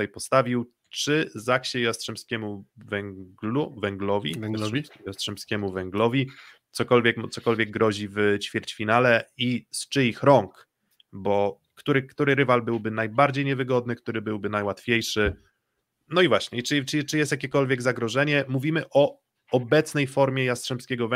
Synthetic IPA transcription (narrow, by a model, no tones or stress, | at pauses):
ajpɔst̪avʲiw | t͡ʂɘzakɕɛjast̪ʂɛmskʲɛmuvɛŋɡluvɛŋɡlɔvʲḭjast̪ʂɛmskʲɛmuvɛŋɡlɔvʲi | t̪sɔkɔlvʲjɛkmt̪sɔkɔlvʲjɛɡ̚ɡːɾɔʑivt͡ɕfʲjɛɾt͡ɕfʲinalɛist͡ʂɘixɾɔŋk | bɔ | kːt̪uɾɘkt̪uɾɘɾɘvalbɘwbɘnajbaɾd͡ʑejɲɛvɘɡɔd̪̚nɘkt̪uɾɘbɘwbɘnajwat̪fʲejʂɘ | nɔivwaɕɲɛt͡ʂt͡ʂt͡ʂɘjɛst̪jakʲɛkɔlvʲjɛɡzaɡɾɔʐɛɲɛmuvʲimɘʔɔ | ɔbɛt̪snɛjfɔɾmʲjɛjast̪ʂɛmskʲɛɡɔvɛ